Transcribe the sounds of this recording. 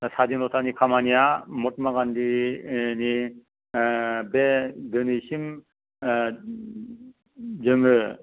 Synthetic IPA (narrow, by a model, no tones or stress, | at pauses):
sad͡ʒinɔtʰanikʰamanijamɔt̚maɡandini | bedɯnisim | d͡ʒɯŋɯ